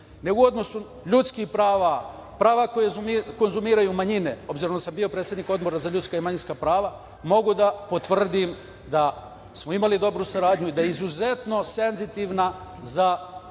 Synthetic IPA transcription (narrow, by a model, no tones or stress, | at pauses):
ne̞uo̞d̪no̞su | ʎut̪skixpɾaːʋa | pɾaːʋakojezumko̞nzumiːɾajumaɲine̞o̞bziɾond̪asambiopɾet̪sʲjed̪niko̞d̪bo̞ɾazaʎut̪skaimaɲinskapɾaːʋa | mo̞ɡud̪apo̞t̪ʋr̩d̪im | d̪a | smo̞imalid̪o̞bɾusaɾaːd̪ɲuid̪ajeizuze̞t̪no̞se̞nzit̪iʋnaza